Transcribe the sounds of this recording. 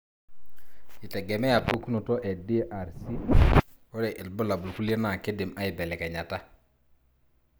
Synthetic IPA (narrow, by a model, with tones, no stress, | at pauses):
ɪ˨tɛ˨ɡɛ˨mɛ˦a˨po˦ku˦no˨tɔ˦ʔɛ˨di˦ʔa˨ɾsi˦ | o˦ɾɛ˨ʔɪ˨lbʊ˦la˨bʊ˨lku˦lje˦na˨ke˦dɪ˨ma˦ɪ˨bɛ˨lɛ˨kɛ˨ɲa˨ta˦